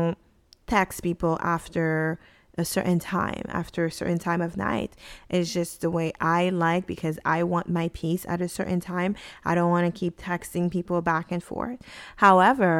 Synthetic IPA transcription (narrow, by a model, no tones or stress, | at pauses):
ʊ̃n | tʰɛkspipl̩ˠʔæftə˞ | ʔɨsɜ̰˞ʔn̩tʰã̰ɪ̃mʔæ̰ftə˞ɨsɜ̰˞ʔn̩tʰãɪ̃mʌvna̰ɪɾʔɨtz̥d͡ʒʌst̪̚ðəweɪʔaɪlaɪk̚b̥ɨkʰʌza̰ɪwɑ̃nmaɪpʰisɨ̰ɾɨsɜ˞ʔn̩tʰãɪ̃maɪɾõʊ̃nʔwɑ̃nɨkʰip̚tʰɛkstɪ̃ŋpipl̩ˠbækɨ̃nfɔ̰ɹd̥̚haʊɛvə˞